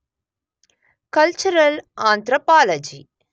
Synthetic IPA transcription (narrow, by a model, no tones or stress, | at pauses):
kɐlt͡ʃuɾɐlaːnt̪ɾəpaːlɐd͡ʒiː